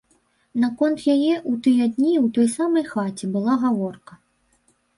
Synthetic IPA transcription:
nakɔnt̪jajɛʔut̪ɨjɐd̪ʲnʲiwt̪ɔjsamɐjxat͡sʲɛbɨlˠaɣavɔrkɐ

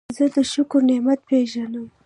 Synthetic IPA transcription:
zəd̪əʃʊkʊɾnemat̪̚peʒanəm

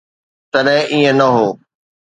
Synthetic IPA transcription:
t̪ɐɗɦɪ̃ʔiẽnɐɦoː

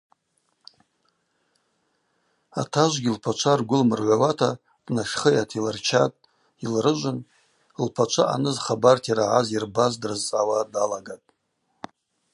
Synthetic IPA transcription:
a̰tʰaʒʷɡʲilpʰat͡ʃʷʰarɡʷʊlmɨrʕʷawatʰa | d̥naʃχəjatʰilɨrt͡ʃʰatʼ | ilrɨʒʷʊn | lpʰat͡ʃʷʰaʔa̰nɨzχabartʰjaɾaʕazirbazdrɨzt͡sʼawadalaɡatʼ

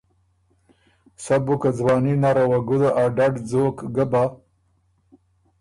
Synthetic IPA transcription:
sabukad͡zwɑːninaɾawaɡud̪aʔaɖaɖd͡zoːkɡaba

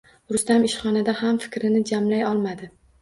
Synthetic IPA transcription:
ɾʊst̪amɪʃχɒnad̪ahamfɪ̥kʲɾɪnɪd͡ʒamlajɒlˠmad̪ɪ

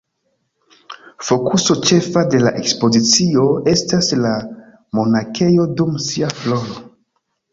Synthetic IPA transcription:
fo̞kuso̞t͡ʃe̞fade̞la̰ʔe̞kspo̞zit͡sio̞e̞stasla | mo̞nake̞jo̞dumsiaflo̞no

